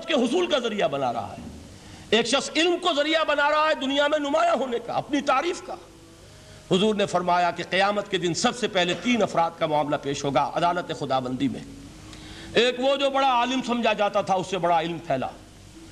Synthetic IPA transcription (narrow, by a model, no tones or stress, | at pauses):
t̪keɦʊsuːlkazɐɾijabɐna̰ɾɐ̰ɦa̰ɦɛ̰ː | eːkʃɐxsɪlmkozɐɾijabɐnaɾɐɦaɦɛd̪ʊnijamẽnʊmaːjaɦoːneka̰ɐ̰pnit̪aːɾiːfkaː | hʊzuːɾnefɐɾmaːjakeqijaːmət̪ked̪ɪnsɐbsepɛɦlet̪iːnɐfɾaːd̪̚kamʊaːmlapeːʃɦoːɡa̰ːʔɐ̰d̪aːlət̪exʊd̪aːʋə̃nd̪imḛ̃ | eːkʋod͡ʒoːbɐɽaaːlɪmsɐ̃md͡ʒʱad͡ʒaːt̪at̪ʰaʊsːebɐɽaɪlmpʰɛːla̰ː